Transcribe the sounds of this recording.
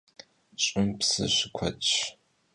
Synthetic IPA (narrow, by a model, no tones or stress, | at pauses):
t͡ʃʼʊmpsɨ̰ɕɪkʷʰɐt͡ʃʼ